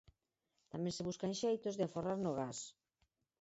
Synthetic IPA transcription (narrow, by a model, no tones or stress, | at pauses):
t̪amɛ̃ŋsɪβuskaŋʃejt̪ozðɪaforaɾnʊɣas